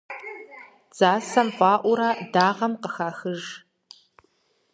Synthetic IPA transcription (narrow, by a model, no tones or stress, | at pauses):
z̥aːsɐmfaːʔʷʊɾaːdaːʁɐmqəxaːxɨʒ